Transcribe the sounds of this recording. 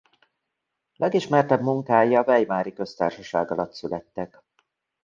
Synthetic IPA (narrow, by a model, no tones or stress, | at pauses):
lʔɛɡiʃmɛrt̪ɛbmuŋkaːjɒvɛjmaːɾikø̞st̪a̰ːrʃɒʃa̰ːɡɒlɒt̪sylɛt̪ːɛk